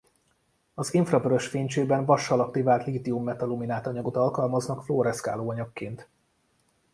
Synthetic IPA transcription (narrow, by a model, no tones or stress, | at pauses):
ɒziɱfrɒbøɾøʃfeːɲt͡ʃeːbɛɱvɒʃːɒlɒk̚t̪ivaːlt̪liːt̪iumːɛt̪ɒluminaːt̪ɒɲɒɡot̪ɒlkɒlmɒznɒkfloːɾɛska̰ːloːɒɲɒkːeːnt̪